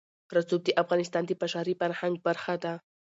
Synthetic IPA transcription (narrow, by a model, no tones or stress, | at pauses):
ɾat͡sub̚d̪əʔafɣɑnɪst̪ɑnd̪əpaʃɑɾifaɾhaŋɡ̚baɾxad̪a